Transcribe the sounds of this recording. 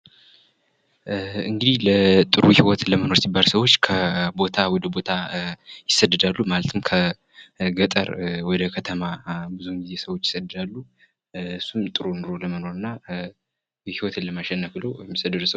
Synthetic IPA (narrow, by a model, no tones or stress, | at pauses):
ɨŋɡɨd̪ihlət̪ʼɨɾuhiwɔt̪ləməno̞ɾsibːalsəwot͡ʃːkʰəbo̞t̪ʰawɔd̪əbo̞t̪ʰajɪsːəd̪ːɨd̪alːumalət̪ʰɨmkʰə | ɡət̪ʼə̰ɾwɔd̪əkʰət̪ʰəmabɨzuɨŋɡize̞səwo̞t͡ʃːjɪ̥səd̪ɨd̪alːu | ɨsːumt̪ʼɨɾunɨɾoləməno̞ɾɨnːa | jhiwɔt̪ɨləmaʃɛnːəklojɛmːisəd̪ɨd̪səw